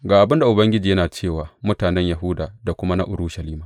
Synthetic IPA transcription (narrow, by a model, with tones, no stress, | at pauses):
ɡaː˨ʔa˨bɪ˦nda˨ʔʊ˨bɐ˦ŋɡʲɪ˦d͡ʒiː˨jɐ˦naː˨t͡ʃeː˦˨waː˨mʊ˦taː˨nɛ˦ɲja˨ɦʊ˦daː˨da˨kʷʊ˦ma˦na˦ʔʊ˨ɾuː˦ʃɐ˨liː˦maː˨